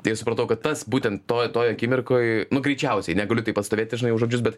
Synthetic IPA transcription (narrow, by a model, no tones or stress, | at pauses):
t̪ɐɪsʊpɾɐt̪ɐʊkɐt̪t̪ɐsbuːt̪ʲɛnt̪t̪oːjt̪oːjɐkʲiːmʲɪɾkoːjnʊɡɾʲɛɪt͡ʃʲɛʊsʲɛɪnʲɛɡɐlʲʊt̪ɐɪpɐst̪oːʋeːt̪ʲːɪʒʲɪnɐɪjʊʒoːd͡ʒʲʊs̬bʲɛt̪